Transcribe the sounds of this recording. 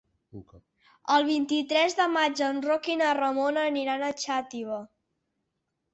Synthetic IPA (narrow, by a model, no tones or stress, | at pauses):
əlˠβ̞int̪it̪ɾɛzðəmad͡ʒənrokinərəmonəniɾanət͡ʃat̪iβə